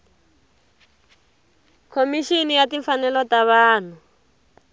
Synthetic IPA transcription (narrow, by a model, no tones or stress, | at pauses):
kʰomiʃinijatiɱfanɛlɔtaβaːn̤u